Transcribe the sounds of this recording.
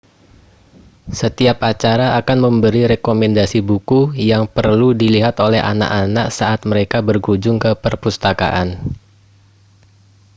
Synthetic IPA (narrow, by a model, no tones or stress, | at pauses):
sət̪iapat͡ʃaɾaːkanməmbəɾiɾekomɛndasibukujaŋpərludiliɦat̪olɛha̰na̰ʔanaʔsaʔat̪̚məɾekabərɡud͡ʒʊŋkəpərpust̪aka̰ʔan